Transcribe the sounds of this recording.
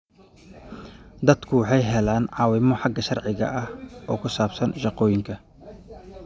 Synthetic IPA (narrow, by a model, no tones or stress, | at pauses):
d̪ɐd̪kʰʊwɑħɑjɦɛlaːnʕɑːwɪmɔħɑɡɐʃɐrʕɪɣɐ̰ʔɐhɔ̰ːkʰʊsaːbsɐnʃɑqɔːjɪŋkʰɐ